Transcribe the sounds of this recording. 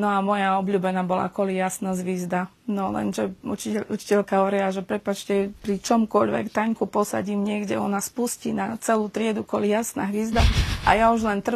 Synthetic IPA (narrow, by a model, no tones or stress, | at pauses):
nɔamɔjaɔbʎuːbɛnaːbɔla̰kɔlijasnazʋizd̪a | nɔlɛ̰nʒɛut͡ʃiut͡ʃi̥cɛlkaɦɔɾɪaʒɛpɾɛpat͡ʃcɛpɾit͡ʃɔmkɔʎʋɛ̰kt̪aɲkupɔsa̰ɟiːmɲɪɛɡɟɛ̰ɔnaspuscḭnat͡sɛluːt̪ɾɪɛd̪ukɔlijasna̰ɦʋizd̪aʔa̰jauʒlɛnt̪r̩